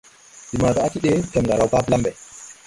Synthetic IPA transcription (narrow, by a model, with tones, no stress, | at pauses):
di˨ma˨ta˨a˦ti˦ɗɛ˦tɛ˨mɡa˨ɾa˦˨wka˦bla˦mbɛ˨